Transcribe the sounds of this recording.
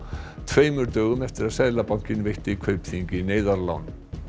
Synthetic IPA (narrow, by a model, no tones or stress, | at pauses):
t̪ʰveːjmʏɾt̪œːɣʏmɛft̪ɪɾaðsɛːjlapawŋ̥cɪnvejht̪ɪikʰœɥpθiɲcɪneːjðaɾla̰wn